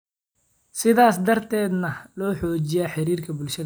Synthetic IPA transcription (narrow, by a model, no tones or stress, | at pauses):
sɪðaːsd̪ɐrt̪ʰɛːd̪nɐlɔːħɔːt͡ʃɪjaːħɪɾiːrkʰɐbʊlʃɐð